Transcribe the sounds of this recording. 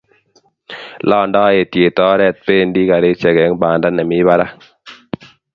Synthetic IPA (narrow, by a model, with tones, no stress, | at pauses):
lɔː˦˨ndɔ˦e˨tje˨tɔː˦ɾɛ˦˨t̚pe˦˨ndi˦ka˨ɾe˦t͡ʃɛ˨ɡɛ˨˦ŋbaː˨nda˦nɛ˨mi˦βa˦ɾa˦